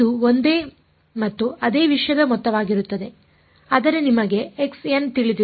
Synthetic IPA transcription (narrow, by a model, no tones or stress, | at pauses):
uond̪e̞ː | mɐt̪ːuɐd̪e̞ːʋiʂjɐd̪ɐmɔt̪ːɐʋaːɡiɾut̪ːɐd̪e̞ | ɐd̪ɐɾenimɐɡe̞eksent̪iɭid̪i